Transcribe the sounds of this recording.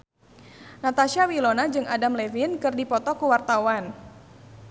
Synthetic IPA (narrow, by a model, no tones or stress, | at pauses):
nat̪aʃiawilonad͡ʒɨŋʔadamlevinkɨrdipɔt̪ɔkuwart̪awan